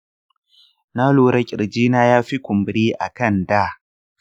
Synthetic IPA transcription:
na˦loː˨ɾɐ˦kʲʼɪ̰˨ɾd͡ʒiː˦naː˦jaː˦ɸi˦kʷʊ˨mbɪ˨ɽiː˦ʔa̰˨kɐ˦˨nda˦

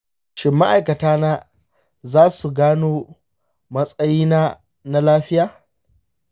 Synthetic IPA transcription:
ʃɪ˦mːa˦ʔa˨jkɐ˨taː˦naː˦ | zaː˦su˨ɡaː˦noː˦ | mɐ˦sʼɐ˦jiː˦naː˦ | na˦laː˦ɸɪ˦jaː˨

